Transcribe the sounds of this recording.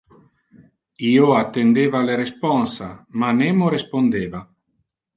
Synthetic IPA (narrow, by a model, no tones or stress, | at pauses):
iːoat̪ːend̪eːvaleɾespɔnsamaneːmoɾespond̪eːva